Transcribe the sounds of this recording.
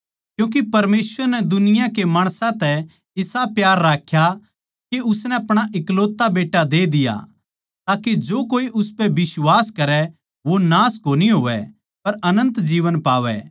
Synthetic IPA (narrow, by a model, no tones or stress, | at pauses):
kjũːk̬ipɐɾmeːsʋəɾnɛd̪ʊnɪjãkemaːɽ̃sãt̪ɛ | ɪsapjaːɾːaːkʰja | keʊsnɛɐpɽ̃aʔɪkloːt̪ːabeːʈːad̪eːd̪ɪja̰ | t̪aːked͡ʒoːkoːiʔʊspɛbɪswaːskɐɾɛ | ʋonaːskoːniɦoːʋɛ̰ | pɐɾɐnə̃nt̪d͡ʒiːʋənpaːʋɛ̰